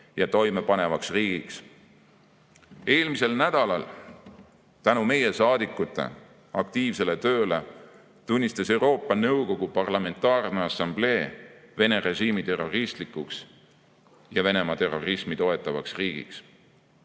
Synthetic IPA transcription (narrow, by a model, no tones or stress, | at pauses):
jɑt̪o̞jme̞pɑne̞vɑksriːɡ̥iks | e̞ːlmise̞lnæd̪̥ɑlɑl | t̪ænume̞je̞sɑːd̪̥ikːˑut̪ːˑe̞̰ | ɑkt̪iːvse̞le̞t̪ø̞ːle̞ | t̪unʲːist̪ɑse̞wɾo̞ːpˑːɑnɤwko̞ɡ̥upɑrlɑme̞nt̪ːˑɑːrneɑsɑmble̞ːve̞ne̞ɾe̞ʒiːmit̪e̞rːo̞rist̪likːˑuks | jɑve̞ne̞mɑt̪e̞ro̞rismit̪o̞e̞t̪ːˑɑvɑ̰ksriːɡ̥ḭks